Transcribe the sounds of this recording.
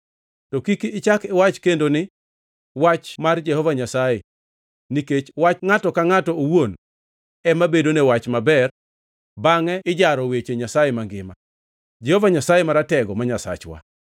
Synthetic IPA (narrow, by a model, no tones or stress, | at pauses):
tɔkikiːt͡ʃakɪwat͡ʃkendonɪ | wat͡ʃmard͡ʒɛhɔvaɲasaje | niket͡ʃwat͡ʃŋatɔkaŋatɔowon | ɛmabedonewat͡ʃmabɛr | baŋɛɪd͡ʒaɾɔwet͡ʃeɲasajemaŋɡɪma | d͡ʒɛhɔvaɲasajemaɾatɛɡɔmaɲasa̰t͡ʃwa̰